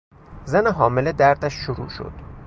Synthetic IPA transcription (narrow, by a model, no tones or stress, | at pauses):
zæneɦɒːmeled̪æɾd̪æʃːoɾṵːʃo̰d̪̥